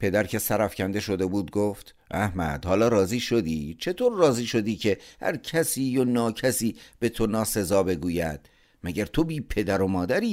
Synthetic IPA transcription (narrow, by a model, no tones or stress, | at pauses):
pʰe̞d̪æɾcʰe̞sæɾæfcʰænd̪e̞ʃo̞d̪e̞buːd̪ɡoːft̪ | ʔæhmæ̰d̪̥hɒːlɒːɾɒːziːʃo̞d̪iːt͡ʃʰe̞t̪ʰoːɾːɒːziːʃo̞d̪iːcʰe̞hæ̰ɾcʰæsiːjonɒːcʰæsiːb̥e̞t̪ʰo̞nɒːse̞zɒːbe̞ɡuːjæ̰d̪̥ | mæɟæɾt̪ʰo̞biːpʰe̞d̪æɾo̞mɒːd̪æɾiː